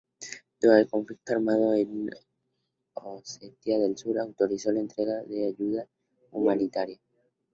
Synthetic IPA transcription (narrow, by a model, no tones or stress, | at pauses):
d̪̥uaelko̞ɱflik̚t̪oaɾmað̞o̞en | oset̪jaðelsuɾaːwt̪o̞ɾiso̞laent̪ɾe̞ɣaðe̞aʝuða | umanit̪aɾja